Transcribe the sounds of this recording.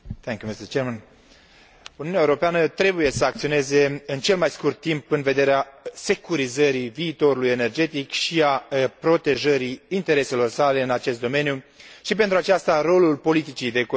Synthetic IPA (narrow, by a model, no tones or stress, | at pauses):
t̪ɛŋkʲjumist̪ət͡ʃeɾman | uniunjaeuɾo̞peanət̪ɾe̞buje̞səak̚t̪sio̞ne̞ze̞ɨnt͡ʃe̞lmajskurt̪ːimpːɨnve̞d̪e̞ɾease̞kuɾizəɾiviːt̪o̞ɾuluje̞ne̞rd͡ʒe̞t̪ikʃiapɾo̞t̪e̞ʒəɾiːnt̪e̞ɾe̞se̞lo̞rsale̞ɨnat͡ʃe̞st̪̚d̪o̞me̞njuʃipe̞nt̪ɾuat͡ʃast̪aro̞lulpo̞lit̪it͡ʃid̪e̞ko